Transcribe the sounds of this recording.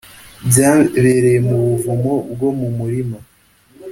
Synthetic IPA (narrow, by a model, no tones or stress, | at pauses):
bjaːβeɾejemuβuvumobɡo̞mumuɾimo